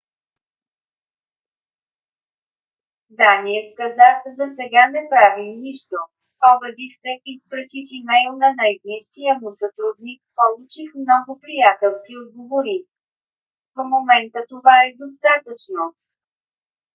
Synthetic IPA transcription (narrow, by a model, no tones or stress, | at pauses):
d̪aniɛskɐzazɐsɛɡanɛpɾavimniʃt̪o | pɔbɛd̪ifsɛispɾɐt̪ʲifimɛjlˠnɐnajbniskijəmʊsət̪ɾud̪nik̚polˠut͡ʃixmnɔɡʊpɾijat̪ɛlˠskiod̪̚ɡovoɾi | vəmomɛnt̪ət̪ovaɛd̪os̬t̪at̪ət͡ʃno